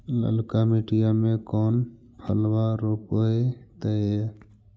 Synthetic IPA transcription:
lə̰lkamiʈijamẽkɔːn | pʰəlwaɾoːpoet̪əe

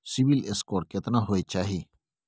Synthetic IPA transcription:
siʋileskoːɾkɪt̪nãɦoːet͡ʃaːɦiː

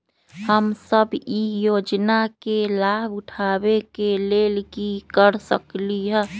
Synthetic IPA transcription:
həmsəbijoːd͡ʒnakelaːbʊʈʰaːbekeleːlkikəɾsəkliɦɛː

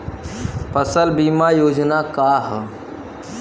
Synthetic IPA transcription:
pəsəlbimajoːd͡ʒnakaːɦ

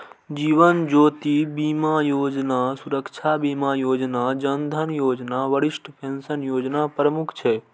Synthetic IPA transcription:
d͡ʒiːʋənd͡ʒoːt̪ibimajoːd͡ʒnasuɾəkt͡ʃʰabiːmajoːd͡ʒnad͡ʒənd̪ʱənjoːd͡ʒnaʋəɽɪʃʈpʰensənjoːd͡ʒnapɾəmukʰt͡ʃʰɛ

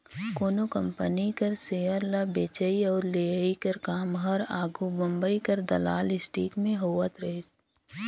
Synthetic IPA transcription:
koːnokɐ̃mpənikɐɾsejəɾlabeːt͡ʃəiɔːɾleəikɐɾkaːmɦɐɾaːɡubɐ̃mbəikɐɾd̪ɐ̰la̰ːlɪsʈiːkmẽɦoːʋət̪ɾɐɦes

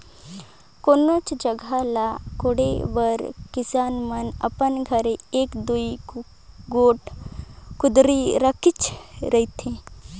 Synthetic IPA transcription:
koːnoːt͡ʃd͡ʒəɡʱalakoɽeʋəɾkɪsaːnmənə̰pənɡʱəɾeeːkd̪ui | ɡoːʈ | kʊd̪ɾiɾəkɪt͡ʃɾəɦit̪ʰẽː

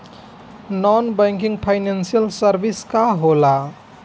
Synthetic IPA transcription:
nɔnbəjŋkiŋɡpʰaɪnensijəlsəɾbiskaɦola

